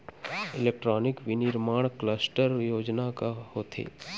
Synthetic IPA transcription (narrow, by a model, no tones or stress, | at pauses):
ɪleːk̚ʈɾɔːnɪkʋinɪɾmaːɽ̃kləsʈəɾjoːd͡ʒnakahoːt̪ʰḛː